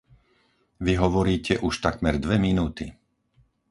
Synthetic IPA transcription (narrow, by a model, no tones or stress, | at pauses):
ʋiɦɔʋɔɾiːcɛʔuʃt̪akmɛɾd̪ʋɛminuːt̪i